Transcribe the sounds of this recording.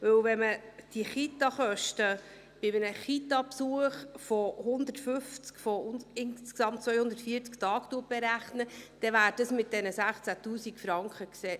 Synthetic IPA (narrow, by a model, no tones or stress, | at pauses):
vɵwvɛməd̥iχit̪ɑχœʃtə | b̥ɪmənəχit̪ɑpsuəχfɔhʊnd̪ətfʏft͡skfɔnɪnsksɑmt̚t͡sʋœjhʊnd̪ətfiːəɾt͡sktɑːktuət̚b̥ɛɾæχnəd̪̥ɛvæːɾd̥ɑsmɪt̚d̥ɛnəsæχt͡sætuːsikfɾɑŋkχəkseː